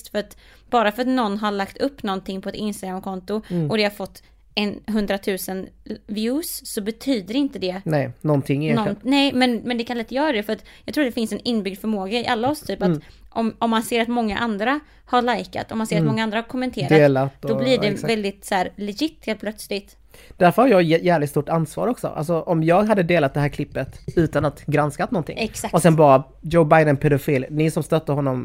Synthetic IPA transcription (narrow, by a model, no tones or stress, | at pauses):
st̪fœɾat̪ | b̥ɑːɾafœɾat̪nɔnːɦaɭakt̪ɵpːnɔnt̪ʰɪŋːpʰɔɛt̪ɪnst̪aɡɾamkʰɔnt̪ʊʔɔd̪ɛhaɾfɔt̪ː | ɛnɦɵnd̪ɾat̪ʰʉ̟ːsənvjʉːsːɔbɛt̪ʰyːd̪əɾɪnt̪əd̪ɛnɛnɔnt̪ʰɪŋːnɔnnɛmɛnmɛnd̪ɛkʰanlɛt̪ːəjœːɾad̪ɛfœɾat̪jɑːɡt̪ʰɾuːd̪ɛfɪnsɛnɪnːbʏɡ̚d̪fœɾmoːɡaɪʔalːaɔst̪ʰyːpat̪ | ʔɔmɔmːanseːɾat̪mɔŋːaʔand̪ɾa | haɭajka̰t̪ɔmanseːɾt̪mɔŋːaand̪ɾahaɾkʰɔmːɛnt̪ʰeːɾd̪aeːlat̪ːd̥̪ɔblɪɖɛvɛld̪ɪt̪sæːɾlɛɡɪt̪ːheːl̚pʰlœt̪slɪt̪ | d̪̥æɾfœɾhaɾjɑːjæːvlɪt̪st̪uʈansvɑ̰ːɾɔksɔ̰ʔa̰lsɔʔɔmjɑːɡɦad̪ːəd̪eːlat̪̚d̪ɛɦæːɾkʰlɪpːət̪ʉ̟ːt̪anat̪ɡɾanskat̪nɔnt̪ʰɪ̰ŋːɛksakɔsɛnbɑːɾa | d͡ʒoʊbajd̪ənpʰɛd̪ʊfiːlnɪsɔmst̪œt̪ːəhɔnːɔm